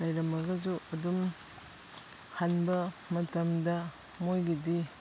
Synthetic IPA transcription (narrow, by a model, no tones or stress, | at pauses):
lɐjɾɐmɐɡɐzuɐdum | hanbɐmɐtɐmdɐ | mojɡidi